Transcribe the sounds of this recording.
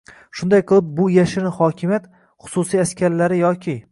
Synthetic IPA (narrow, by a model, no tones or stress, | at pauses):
ʃʊnd̪ajqʰɨlˠɪp̚bʊjaʃɪɾɪhɒkʲʰɪmʲjat̪ | χʊ̥sʊsijaskʲaɾlaɾɪjɒkʲʰɪ